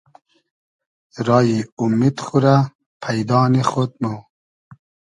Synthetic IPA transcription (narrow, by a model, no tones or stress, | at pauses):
ɾɑːjiumit̪xuɾa | pʰajd̪ɑːnixot̪̚mow